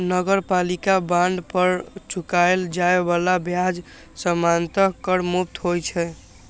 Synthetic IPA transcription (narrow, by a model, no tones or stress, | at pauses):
nəɡəɾpalikabãɳɖpəɾt͡ʃʰukaeld͡ʒaebalabjad͡ʒ | səmant̪əkːəɾmup̚t̪ɦojt͡ʃʰɛ